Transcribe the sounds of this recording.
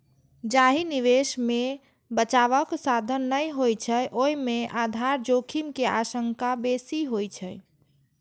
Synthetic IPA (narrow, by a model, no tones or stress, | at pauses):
d͡ʒaɦiniʋesme | bət͡ʃaβəksad̪ʱənːəjɦojt͡ʃʰəjʔoimeʔad̪ʱaɾd͡ʒokʰimkeasəŋkabesiɦojt͡ʃʰəj